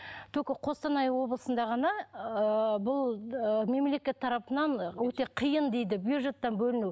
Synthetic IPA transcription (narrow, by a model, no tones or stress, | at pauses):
t̪ʰɵkoqʰo̞st̪ɑnɑjwo̞blˠəsənd̪ɑʁɑnɑəbʊlˠəme̞mle̞kʲe̞t̪ʰːɑɾɑpənɑnwɵt̪e̞qʰijənd̪e̞jd̪ɪbjuʒe̞t̪ːɑnbɵlɪnu